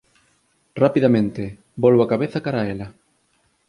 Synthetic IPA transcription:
rapiðamẽnt̪e | bɔlβoakaβeθakaɾaelɐ

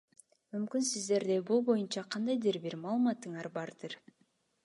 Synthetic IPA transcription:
mymkynsizd̪e̞ɾd̪ebulˠbo̞junt͡ʃɑqʰɑnd̪ɑjd̪ɯɾbiɾmɑːlˠɯmɑt̪ːɯɴɑɾbɑɾd̪ɯɾ

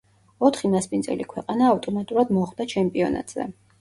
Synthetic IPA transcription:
ɔt̪ʰχinaspʼinzʼɛ̰likʰwɛqʼanaːft̪ʼɔmat̪ʼuɾad̪mɔχd̪at͡ʃʰɛmpʼiɔna̰t̪ʼz̥ɛ̰

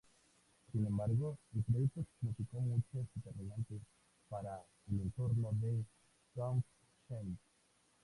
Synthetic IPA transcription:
sinẽmbaɾɣoelpɾoðut̪ːosmusikomũjt͡ʃozðet̪eɾminãnt̪es | paɾa | elẽnt̪oɾnoðe | t̪ɾamf | ʃen

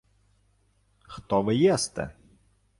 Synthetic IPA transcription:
xt̪ɔʋɪjɛst̪ɛ̰

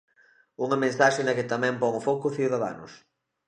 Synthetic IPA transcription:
uŋɐmẽnsaʃenɐkɪt̪amɛ̃mpɔŋofokʊθiwðaða̰nʊ̰s

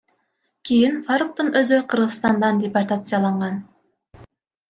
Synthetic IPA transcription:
kʲijinfaɾuk̚t̪unøzqɯ̆ɾʁɯsst̪ɑnd̪ɑndʲɪport̪at̪sɨjalˠɑɴʁɑn

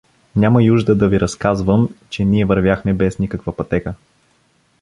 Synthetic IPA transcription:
nʲaməjuʒd̪əd̪ɐviɾʔɐskazvəmt͡ʃɛniɛvɐɾvʲjaxmɛbɛsnikəkvəpɐt̪ɛkə

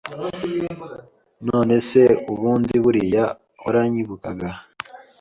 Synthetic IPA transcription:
no̞ːne̞se̞uβuːndiβuɾija | βuɾaɲiβukaɡa

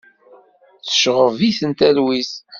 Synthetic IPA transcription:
θə̥ʃʁəviθənt̪ælwis

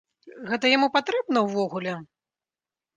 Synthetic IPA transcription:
ɣɛt̪ɐjamupat̪ɾɛbnɐwvɔɣulʲɛ

